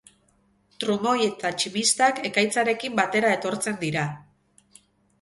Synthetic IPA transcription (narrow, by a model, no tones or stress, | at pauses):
t̪ɾumo̞je̞t̪at͡ʃimist̪ake̞kajt͡saɾe̞kimbat̪e̞ɾae̞t̪o̞ɾt͡se̞nd̪iɾa